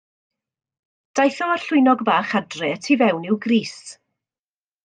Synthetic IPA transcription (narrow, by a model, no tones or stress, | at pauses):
d̥ajθɔarɬʊjnɔɡbaːχadrɛətʰivɛwnɪwɡriːs